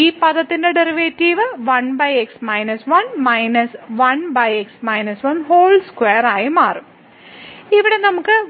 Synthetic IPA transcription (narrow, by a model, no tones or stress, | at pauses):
iːpɐðɐt̪ːindeɖeriʋeːtːiːʋɨʋɐnbɐjeksmɐjnɐsʋɐnmɐjnɐsʋɐnbɐjeksmɐjnɐsʋɐnɦoːlskweːɐɾaːjimaːrum | iʋiɽe̞nɐmukːɨ